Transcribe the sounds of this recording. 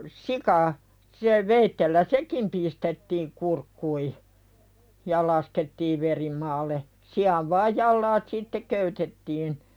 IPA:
sikɑ se ʋeitːelːæ sekim pistetːiːŋ kurkːui jɑ lɑsketːiːʋ ʋeri mɑːlːe siɑʋ ʋɑːj jɑlːɑːt sitːe køytetːiːn

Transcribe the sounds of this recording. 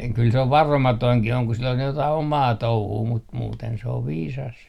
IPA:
kyl se oʋ ʋɑromɑtoiŋkih oŋ ku sil on jotɑi omɑː touhuː mut muːten se oʋ ʋiːsɑs

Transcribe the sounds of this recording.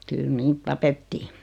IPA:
kyl niːt tɑpetːiː

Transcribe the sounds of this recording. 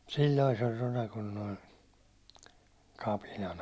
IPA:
silʲːoi se olʲ ronɑ kun noi kɑpinɑn

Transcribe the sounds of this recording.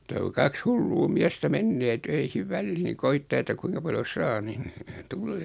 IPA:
mutɑ ku kɑks hulːuː miæstæ menːeː tøihiʋ ʋælːiːŋ koitːɑː etːæ kuiŋkɑ pɑljo sɑː nin tulːeː

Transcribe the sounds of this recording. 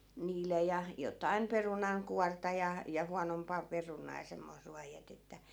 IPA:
niːlˑe jɑ jotɑim perunɑŋkuɑrtɑ jɑ jɑ huɑnompɑˑ perunɑː jɑ semːois ruɑj jætetːæ

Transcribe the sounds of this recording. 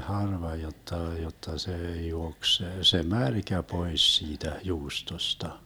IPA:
hɑrʋɑ jotːɑ jotːɑ seː juoks se se mærkæ pois siːtæ juːstostɑ

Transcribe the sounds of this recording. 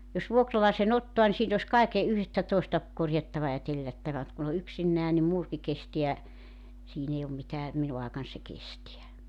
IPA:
jos ʋuokrɑlɑisen otːoɑ ni siːn os kɑike yhtæ toistɑ korjɑtːɑʋɑ jɑ telːætːæʋæ m̆ŭt kun o yksinːæː nim muːrki kesteæ siːn ei om mitæː minu ɑekɑn se kestiæ

